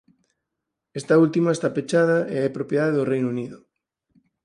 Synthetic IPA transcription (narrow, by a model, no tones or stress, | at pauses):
est̪ɐult̪imaest̪apet͡ʃaðɐeɛpɾopjeðaðeðorejnuniðʊ